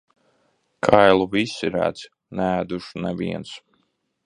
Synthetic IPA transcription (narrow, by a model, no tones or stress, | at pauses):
kʰajlˠuvisiɾæ̰ːd̪s | næːd̪uʃunɛvḭɛns